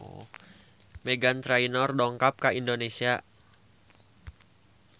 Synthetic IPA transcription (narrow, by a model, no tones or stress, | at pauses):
meɡant̪ɾainɔrɗɔŋkap̚kaʔindonesia